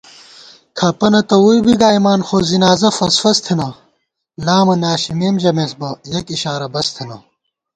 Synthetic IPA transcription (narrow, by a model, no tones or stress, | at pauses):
kʰɐpɐnɐt̪ɐujbiɡaːjmaːnxoːzinaːzɐfɐsfɐst̪ʰenɐ | laːmɐnaːɕimeːmʑɐmesbɐjɐkiɕaːɾɐbɐst̪ʰenɐ̰